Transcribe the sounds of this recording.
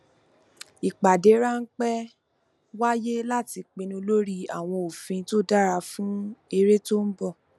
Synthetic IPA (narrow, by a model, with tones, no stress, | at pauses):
i˨k͡pa˨de˨˦ɾa˦n̩˦k͡pɛ˦ | wa˦je˦la˦ti˧k͡pĩ˧nũ˧lo˦ɾi˦a˦˨w̃ɔ̃˧o˨fĩ˧to˦da˦ɾa˧fũ˦e˧ɾe˦to˦n̩˦bɔ˦˨